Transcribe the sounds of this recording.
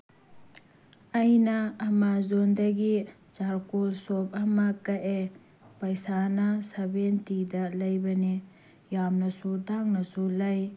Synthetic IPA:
ɐjnɐːmazondɐɡi | t͡ʃaɾkulsop̚ɐmɐkɐʔe | pɐjsanɐsɐbentidɐlɐjbɐni | jamnɐsudaŋnɐsulɐj

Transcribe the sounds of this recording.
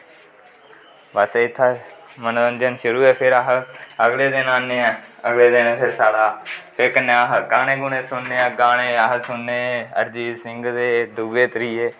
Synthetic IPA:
ʋəseːɪt̪ʰːaːmənoːəɲd͡ʒənʃʊɾuːɛːpʰɪɾəɦəɡleːd̪ɪnaːnːeːɛ̃ːəɡleːd̪ɪnpʰeɾsaːɽaːpʰɪɾkənẽːɦɡaːneːɡʊneːsʊnːeːɡaːɽeːəɦsʊnːeːə̰ɾd͡ʒiːdsɪŋɡd̪eːd̪uɡeːt̪əɾiːeː

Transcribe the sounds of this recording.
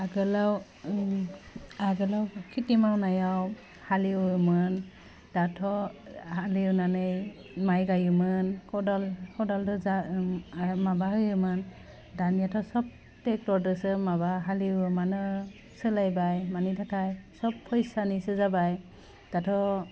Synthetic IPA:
aɡɯlaw | aɡɯlawkʰitimawnajaw | haliwɯmɯn | d̥atʰɔhaliwnanɯj | majɡajɯmɯnkʰɔdɔlkʰɔdɔldɔza | mabahɯjɯmɯn | danijatʰɔsɔp̚ | tɛk̚tɔdɯsɯmabaɦaliwɯmanɯ | sɯlajbajmanitʰakʰajsɔppʰːɔjsanisɯzabaj | d̥atʰɔ

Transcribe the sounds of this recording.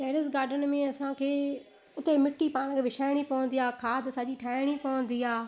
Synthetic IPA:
ʈeːɽɪsɡaːɾɖənmẽɐsãkʰeː | ʊt̪emɪʈːipaːɽ̃kʰeʋɪʃaːɪɽ̃ipɐʋʊ̃nd̪ijaːkʰaːt̪ɐsad͡ʑiʈʰaːɪɽ̃ipɐʊ̃nd̪iːaː

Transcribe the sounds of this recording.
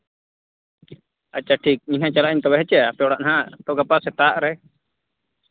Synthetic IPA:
at͡ʃaʈʰik̚iɲɦãt͡ʃalaʔiɲt̪ɔbɛɦɛt͡ʃɛjapɛɔɽaʔɦãt̪ɔɡapasɛt̪aʔɾɛ

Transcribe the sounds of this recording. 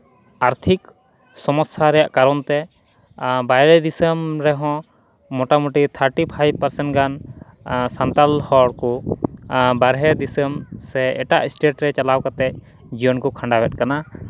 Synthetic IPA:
aɾt̪ʰik | sɔmɔst̪ʰaɾɛjaʔkaɾɔnt̪ɛ | bajɾɛd̪isəmɾɛɦɔ̃ | mɔʈamuʈit̪ʰəɾʈipʰajb̚paɾsɛɳʈɡan | sant̪alhɔɽkɔ | baɾɦɛd̪isəmsɛɛʈaʔisʈeʈɾɛt͡ʃalawkat̪ɛc̚ | d͡ʒijɔnkɔkʰaɳɖabɛt̚kana

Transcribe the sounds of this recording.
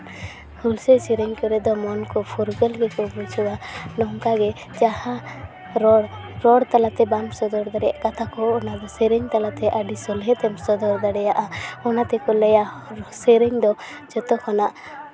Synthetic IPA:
hulsɛsɛɾɛɲkɔɾɛd̪ɔmɔnkɔpʰuɾɡɛlɡɛkɔbud͡ʒuwanɔŋkaɡɛ | d͡ʒaha | ɾɔɽ | ɾɔɽt̪alat̪ɛbamsɔd̪ɔɾd̪aɽɛja̰ʔkat̪ʰakɔːnad̪ɔsɛɾɛɲt̪alat̪ɛʔaɖisɔlɦɛt̪ɛmsɔd̪ɔɾd̪aɽɛjaʔaɔnat̪ɛkɔlɛja | sɛɾɛɲd̪ɔ | d͡ʒɔt̪ɔkʰɔnaʔ

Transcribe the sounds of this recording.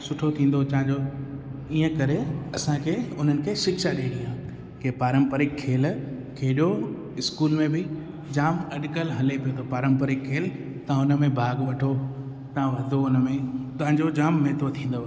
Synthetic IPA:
sʊʈʰot̪ʰĩːn̆d̪ot͡ɕɐɦɪ̃ɲd͡ʑo | iːə̃kɐɾeɐsãkʰeʊn̤ənɪ̆kʰeːʃɪkʃaɗeːɗijãː | kepaːɾə̃mpəɾɪkʰːeːl | kʰeɦɪɗo | ɪskuːlmẽbɪ | d͡ʑaːmɐɗkəlɦɐlepijot̪ʰopaːɾə̃mpəɾɪkʰːeːl | t̪ɐ̃ʊnəmẽbʱaːɡʋɐʈʰo | t̪ɐãʋɐd̪ʱoʊnəmẽt̪ɐɦãɲd͡ʑod͡ʑaːmːeɦt̪ot̪ʰĩːn̆d̪o

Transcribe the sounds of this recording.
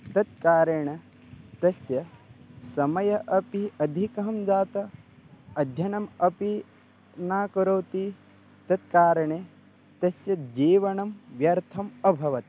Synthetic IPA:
t̪ɐt̪̚kaːɾɐɳɐ | t̪ɐsjɐsɐmɐjɐʔɐpiɐd̪ʱikɐɦɐmd͡ʒaːt̪ɐ | ɐd̪ʱjɐnɐmɐpi | naːkɐɾɐwt̪i | t̪ɐt̪̚kaːɾɐɳe | t̪ɐsjɐd͡ʒiːʋɐɳɐmʋjɐɾt̪ʰɐmɐbʱɐʋɐt̪

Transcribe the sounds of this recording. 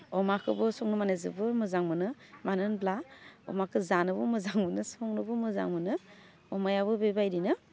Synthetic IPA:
ɔmakʰɯbɯsɔŋnɯmanezɯ̰bɯmɯzaŋmɯnɯmanɯnblaɔ̰makʰɯzanɯbɯmɯzaŋmɯnɯsɔŋnɯbɯmɯza̰ŋmɯnɯ | ɔmajabɯbebajɾinɯ

